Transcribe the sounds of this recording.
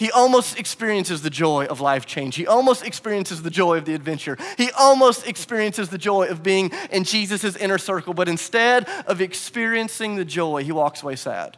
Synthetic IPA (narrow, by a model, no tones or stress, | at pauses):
hiʔɔlˠmoʊstɨkspɪɹiɨ̃nsɨzðɨd͡ʒɔɪʔʌvlaɪft͡ʃʰẽɪ̃nd͡ʒ̥hiʔɔlˠmoʊstɨkspɪɹiɨ̃nsɨzðɨd͡ʒɔɪʌvðiɨdvɛ̃nt͡ʃə˞iʔɔlˠmoʊstɨkspɪɹiɨ̃nsɨzðɨd͡ʒɔɪʌvbiɪ̃ŋʔɨ̃nd͡ʒizɨsɨzɪ̃nə˞sɜ˞kl̩ˠbʌɾɨ̃nstɛɾʔʌvɨkspɪɹiɨ̃nsɪ̃ŋðɨd͡ʒɔɪiwɔksəweɪsæ̰d̥